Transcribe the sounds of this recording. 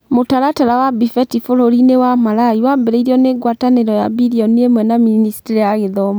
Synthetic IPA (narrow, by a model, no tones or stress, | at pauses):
motaɾataɾawabifɛtifoɾoɾinewamalaiwambɛɾɛiɾiɔneːɡwataneɾɔjabiɾiɔniemwɛnaminisi̥tiɾijaɣeðɔma